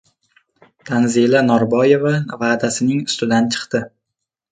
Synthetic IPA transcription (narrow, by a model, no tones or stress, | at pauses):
d̪̥ʰanzilˠanɒɾbɒje̞vavaːd̪asɪnɪŋʊst̪ɪd̪ant͡ʃʰɨ̥qt̪ɪ